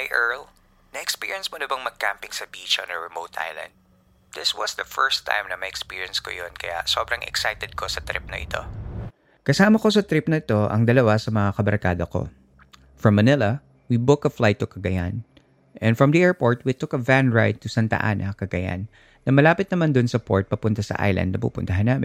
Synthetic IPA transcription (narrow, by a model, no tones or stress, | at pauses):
hajʔɛɹl | nɐʔɛkspiɹiɛnsmonɪbɐŋmɐɡ̚ka̰mpɪŋsɐbiːt͡ʃɐnɐɹɛmowt̪ʔa̰jlɐ̰̃nd̪̚ | d̪ɪswɐsd̪ɐfɛɹst̪ʰːã̰jmnɐmɐʔɛkspiɹiɐnsko̰jonkɐ̰ja̰sobɾɐŋʔɛ̰ksajt̪ɛd̪̚kʰosɐt̪ɾɪ̰p̚nɐ̰ʔɪt̪ʰo̞̰ | kɐsaːmɐko̞sɐt̪ɾɪpnɐɪt̪o̞ʔɐ̰ŋd̪ɐlɐwasɐmɐŋakɐbɐɾka̰ːd̪ɐko̞̰ | fɹɐmːɐnɪlɐ | wibʊkɐflajt̪ːokɐɡɐja̰n | ʔɛ̃nfɹɐmd̪ɐʔɛɹpoɹt̪wit̪ʊkɐvanɹajd̪̚t̪ʊsant̪ɐ̰ʔa̰ːnʔɐkɐɡɐja̰nː | ɐmɐlaːpɪt̪̚nɐmand̪ʊnsɐpoɹt̪̚pɐpʊnt̪ɐsɐ̰ʔa̰jlʔɐ̰nd̪̚nɐpṵːpʊ̰nt̪ɐɦɐnːaːmɪn